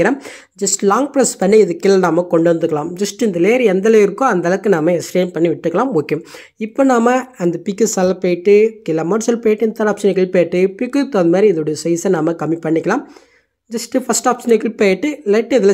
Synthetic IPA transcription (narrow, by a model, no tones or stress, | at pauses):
ɪɾɐːm | d͡ʒɐsʈlaːŋɡ̚plɐspɐɳːiɪðɯkːɪlɐnaːmɐkɔɳɖɯʋɐnd̪ɯkːɐlaːmd͡ʒɐsʈɪnd̪ɐleːɾɛnd̪ɐleːɪɾɯkːʊ̃ɐnd̪ɐlɐkːɯnaːmɐɛsʈeːnpɐɳːiʋɪʈːɯkːɐɭaːmoːkːeʊm | ɪpːoːnaːmɐɐnd̪ɐpɪkːɯsɐlːɐpeːʈːɯkɪlɐmɐːɾsɐlpeːjɪʈːɯɪnd̪ɐt̪ɐɾaːpʂɐnɪkːɪlpeːʈːɯpɪkːɯt̪oːðmaːɾiɪðoɽɐjɐsɐɪsɐnaːmɐkɐmːipɐɳːɪkːɐlaːm | d͡ʒɐsʈɯfɐsʈaːpsɐnɪkɪlpeːʈːɯlɐɪʈːɪðɪlɐ